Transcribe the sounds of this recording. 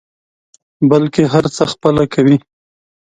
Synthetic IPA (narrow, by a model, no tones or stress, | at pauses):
balkeɦaɾt͡səxpəlakʰawi